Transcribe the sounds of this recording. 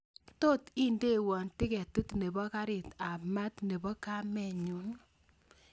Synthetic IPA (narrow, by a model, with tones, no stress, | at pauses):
to˦ti˦nde˦wɔ˨ntɪ˦kɛ˨tu˦tne˨bɔ˦ka˦ɾɪ˨ta˨ma˦tne˨bɔ˦ka˦mɛ˨ɲu˨˦n